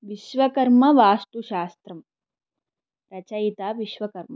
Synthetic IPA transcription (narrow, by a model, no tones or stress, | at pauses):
ʋiʃʋɐkɐɾmɐʋaːst̪uʃaːst̪ɾɐm | pɾɐt͡ɕait̪aːʋiʃʋɐkɐɾmɐ